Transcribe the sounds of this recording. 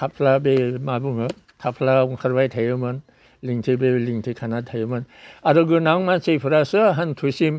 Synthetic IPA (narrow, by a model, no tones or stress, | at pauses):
tʰap̚ʰlabemabuŋɯ | tʰapʰlauŋkʰaɾbajtʰajɯmɯn | liŋtʰibeliŋtʰikʰanatʰajɯmɯnaɾɯɡɯnaŋmansejpʰɯɾasɯɦantʰusim